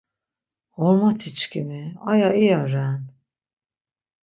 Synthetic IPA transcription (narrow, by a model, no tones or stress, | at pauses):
ɔɾmat̪ʰit͡ʃkʰimia̰jaijaɾɛn